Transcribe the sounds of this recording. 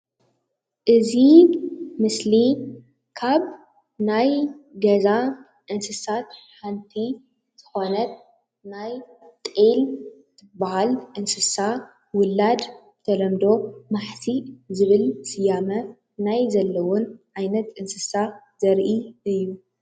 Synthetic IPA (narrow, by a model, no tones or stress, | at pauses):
ʔɨzi | mɨsli | kʰaβ | najɡɐza | ʔɨnsɨsat̪ħant̪ʰi | z̥ɨxo̞nɐt̪̚ | naj | t̪ʼel | t̪ʰɨbːahalʔɨnsɨsa | wʊlːad̪ | t̪ʰɐlɐmd̪o̞maħsizɨβɨlsɨjamɐ | najzɐlːɐwɔnʕajnɐt̪ʔɨnsɨsa | z̥ɐɾʔiʔɨjːu